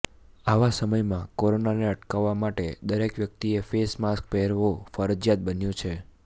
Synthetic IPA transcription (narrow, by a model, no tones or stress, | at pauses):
aʋasəməjmãkoɾonaneəʈkaʋːamaʈed̪əɾekʋjək̚t̪iefesmask̚pɛɦɾʋofəɾəd͡ʒjat̪̚bənjũt͡ʃʰe